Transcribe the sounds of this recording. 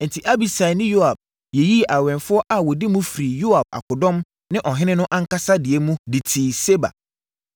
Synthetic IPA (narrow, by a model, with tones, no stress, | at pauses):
n̩˨tʰɪ˨ʔa˦bi˨sa˨nɪ̃˦jo˦a˨b̥̚ | jɛ˨ji˦˨ʔa˨wɛ̃˨nfʊ˦ɔ˦ʔa˨wɔ˨di˦mũ˦fɾi˨jo˦a˨b̥̚a̰˨kʰʊ˨dɔ̃˦m | nɪ̃˦ʔɔ˨ɦɪ̃˦nɪ̃˦nʊ̃˦ʔã˦ŋ̩˦ka˦sa˦dɪ˨ɛ˦mũ˦di˨tʰiː˨se˦ba̰˨